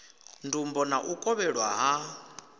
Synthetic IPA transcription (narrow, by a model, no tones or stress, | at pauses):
ndumbɔnaʔukʼɔβɛɺwaɦa